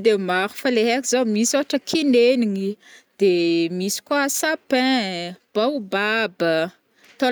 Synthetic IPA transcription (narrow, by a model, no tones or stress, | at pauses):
d̪emaɾu̥faleɦakizomisoaʈ͡ʂəkʰineniŋid̪̥emisi̥kuasapɛ̃b̥awbabə | t̪o